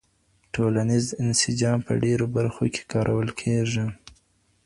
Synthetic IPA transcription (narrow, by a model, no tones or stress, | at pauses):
ʈolanizɪnsɪd͡ʒɑmpə̰ɖeɾobaɾxokʰe̥kɑɾʔawəlkʰeʐi